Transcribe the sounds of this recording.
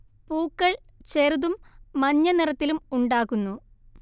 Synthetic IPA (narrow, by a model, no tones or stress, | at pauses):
puːkːɐɭ | t͡ɕe̞ɾuðumːɐɲːɐnirɐt̪ːilumuɳɖaːkːunːu